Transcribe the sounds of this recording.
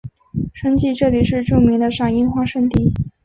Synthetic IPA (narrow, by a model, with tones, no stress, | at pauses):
ʂə˥ŋt͡ɕi˥˧ʈ͡ʂɤ˥˩li˨˩ʂɻ̩˥˧ʈ͡ʂu˥˩mi˧˥ŋd̪ə˧ʂɑ˨˩ŋi˥˧xwa˥˧ʂə˥˧nt̪i˥˩